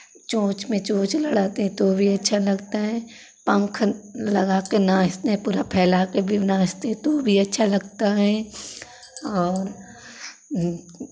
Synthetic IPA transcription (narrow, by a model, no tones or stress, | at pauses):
t͡ʃõːt͡ʃmẽt͡ʃõːt͡ʃlɐɽaːt̪eɦɛ̃t̪oːbʱiɐtːʃʰalɐɡt̪aɦɛ̃ː | pə̃ŋkʰlɐɡaːkenãːst̪eɦɛ̃puːɾapʰɛːlaːkebʱinãːst̪eɦɛ̃t̪oːbʱiɐtːʃʰalɐɡt̪aɦɛ̃ | ɔːɾ